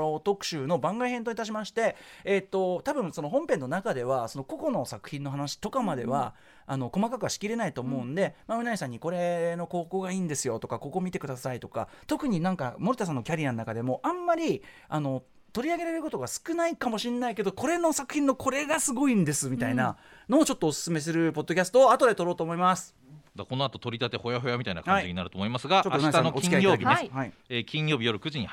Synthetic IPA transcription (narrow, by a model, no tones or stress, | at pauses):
ot̪o̞kɯ̟̥ɕɨːno̞bãŋɡaihẽ̞nt̪oit̪aɕ̬imaɕi̥t̪e̞ːt̪ːo̞t̪abɯ̟̃ɰ̃so̞no̞ɦõ̞mpẽ̞nːo̞nakad̪e̞βaso̞no̞ko̞ko̞no̞sakɯ̟̥çĩnːo̞ɦanaɕi̥t̪o̞kamad̪e̞̰βa | ano̞ko̞makakɯaɕi̥kʲiɾe̞nait̪o̞ːmo̞ɯ̟̃nod̪e̞maɯ̟naisãɲ̟ːiko̞ɾe̞no̞ko̞ːko̞ːɡaiːnd̪e̞sɨjo̞t̪o̞kako̞ko̞ːmʲit̪e̞kɯ̟d̪asait̪o̞ka̰t̪o̞kɯ̟ɲ̟inãŋka̰mo̞ɾɯ̟t̪as̬anːo̞kʲaɾʲianonakad̪e̞mo̞ʔãmːaɾʲi | ano̞ | t̪o̞ɾʲiaɡe̞ɾeɾɯko̞t̪o̞ɡasɨ̥kɯ̟naikamo̞ɕĩnːaike̞d̪o̞ko̞ɾe̞no̞sakɯ̟̥çʲĩnːo̞kʰo̞ɾe̞ɡasɨɡo̞ĩnd̪e̞sɨmʲit̪ainano̞ːt͡ɕo̞t̪ːoːsɨ̥sɨme̞s̬ɨɾɯ̟po̞d̪ːo̞kʲasɨ̥t̪o̞ːat̪o̞d̪e̞t̪o̞ɾo̞ːt̪oːmo̞imasɨ̥ | d̪ako̞no̞at̪o̞t̪o̞ɾʲit̪at̪e̞ho̞jaɦo̞jamʲit̪aina̰khaɲid͡ʑiɲinaɾɯt̪oːmoimasɨɡat͡ɕot̪ːait̪anõoĩkʲiaijoaːibiehai | ekʲĩɰ̃jo̞ːbʲijo̞ɾɯ̟kɯ̟ʑiɲ̟ih